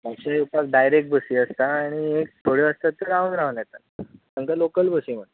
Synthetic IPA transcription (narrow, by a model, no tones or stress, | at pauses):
paɕaupak̚ɖajɾek̚ʈ̚bəsiəst̪aːɽ̃iek̚t̪ʰoɽeəst̪at̪ːəɾaunɾaʋənjat̪a | səŋkalokəlbəsiməɽ